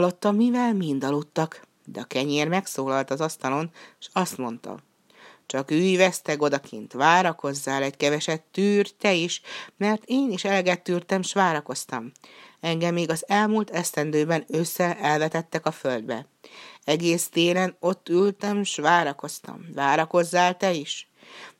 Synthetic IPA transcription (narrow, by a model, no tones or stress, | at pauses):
ɒlːo̞t̪ːɒmːivɛlmind̪ɒlut̪ːɒk | d̪ɛɒkɛɲeːrmɛksoːlɒlt̪ɒzɒst̪ɒlo̞nʃɒst̪mo̞n̪t̪ɒ̰ | t͡ʃɒkyːjvɛst̪ɛɡo̞d̪ɒkʰint̪ʋaːɾɒko̞zːaːlɛckɛvɛʃɛt̪ːyːrt̪ɛiʃmɛrt̪eːniʃɛlɛɡɛt̪ːyːrt̪ɛmʃʋaːɾɒko̞st̪ɒmɛŋɡɛmːeːɡɒzɛlmuːlt̪ɛst̪ɛnd̪øːbɛnøsːɛɛlvɛt̪ɛt̪ːɛkɒføld̪bɛ̰ | ɛɡeːst̪eːlɛno̞t̪ːylt̪ɛmʃʋaːɾɒko̞st̪ɒ̰mvaːɾɒko̞zːaːlt̪ɛiʃ